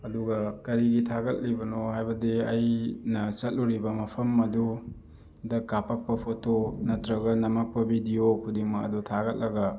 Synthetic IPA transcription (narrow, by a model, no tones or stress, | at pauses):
ɐduɡɐkɐɾiɡitʰaɡɐt̚libɐnohajbɐdiɐjnɐt͡ʃɐt̚luɾibɐmɐpʰɐmːɐdu | dɐkapɐk̚pɐpʰotonɐtɾɐɡɐnɐmɐk̚pɐbidijokʰudiŋmɐɐ̰dutʰaɡɐt̚lɐɡɐ